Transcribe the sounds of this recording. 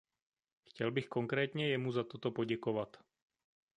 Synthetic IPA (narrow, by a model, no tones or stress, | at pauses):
xcɛlbɪxkoŋkɾɛːt̪ɲɛjɛmuzat̪ot̪opoɟɛkovat̪